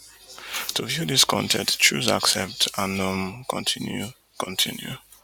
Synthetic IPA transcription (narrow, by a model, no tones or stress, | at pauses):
tʰuvjuðiskʰɔ̰̃ntʰɛ̰̃t͡ʃṵza̰ksɛp̚tʰanɔ̃mkʰɔ̰̃ntʰinjṵ | kʰɔ̃ntʰĩnjṵ